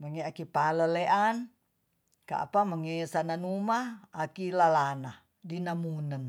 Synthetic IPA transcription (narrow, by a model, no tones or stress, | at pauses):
məŋeakipaləleʔan | ka̰ʔpaməŋesananumahakilalanah | dinamunən